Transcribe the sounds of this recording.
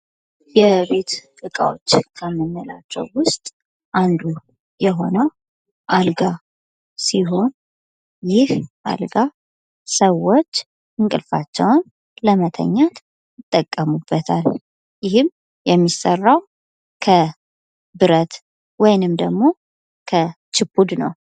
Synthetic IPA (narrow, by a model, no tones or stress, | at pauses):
jɛβe̞t̪t̪ʼɨkʼa̰wo̰t͡ʃːkʰəmːɨnːəlat͡ʃːɛ̰wwʊst̪ʼ | ʔand̪u | jɛɦo̞nəw | ʔalɡa | siɦo̞n | jɪhʔa̰lɡa | səwːo̞t͡ʃː | ɨŋkʼɨlfat͡ʃːɛwn | ləmət̪ʰə̰ɲːat̪ | jɪt̪ʼːəkʼːəmubːət̪ʰal | jɪhɨm | jɛmːisərːaw | kʰə | bɨɾət̪ | wɔjnɨmd̪əɡmo̞ | kʰə | t͡ʃʰɪpʰːud̪nə̰w